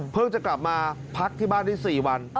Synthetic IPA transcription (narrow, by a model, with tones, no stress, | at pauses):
pʰɯ˥˩ŋt͡ɕa˨˩kla˨˩p̚maː˧ | pʰa˦˥k̚t̪ʰiː˥˩baː˥˩ndiː˦˥˩siː˨˩wa˧n